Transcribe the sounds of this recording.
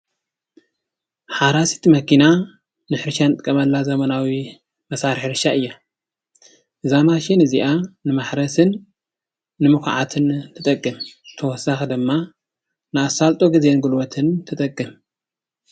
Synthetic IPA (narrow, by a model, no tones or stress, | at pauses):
ħaɾasi̥t̪imɐkina | nɨħɨɾʃanɨt̪ʼɨkʼːɐmɐlːazɐmɐnawi | mɐsaɾħɾɨʃaʔɨjːa | ʔɨzamaʃinɨziʔanɨmaħɾɐsɨnː | ɨmɨkʕa̰t̪ʰɨnt̪ʰɨt̪ʼɐkʼːɨmt̪ʰɐwɔsaxd̪ɨmːa | nɨasːalt̪ʼoɡizenɡulwɐt̪ʰɨnt̪ʰɨt̪ʼɐkʼːɨm